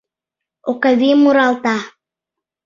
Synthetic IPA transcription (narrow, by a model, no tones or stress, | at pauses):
okaβimuɾɑlt̪ɑ